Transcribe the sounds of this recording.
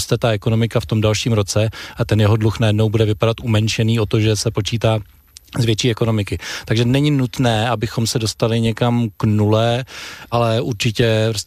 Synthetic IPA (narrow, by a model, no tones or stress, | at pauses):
st̪ɛt̪aʔɛko̞no̞mɪkaft̪o̞mdalʃiːmɾo̞t͡sɛʔat̪ɛnjɛɦodluxnajɛdno̞wbudɛvɪpadat̪ʔumɛnt͡ʃɛniːo̞t̪o̞ʒɛsɛpo̞t͡ʃiːt̪aː | zvjɛt͡ʃiːɛko̞no̞mɪkɪt̪aɡʒɛnɛɲɪnut̪nɛːabɪxo̞msɛdo̞st̪alɪɲɛkamknulɛːʔalɛʔuɾt͡ʃɪcɛɾos